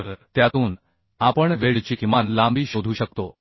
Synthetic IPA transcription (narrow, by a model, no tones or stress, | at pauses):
ɾt̪jat̪uːn | apəɳʋeɽt͡ɕikmanlãmbiːɕod̪ʱuːɕək̚t̪o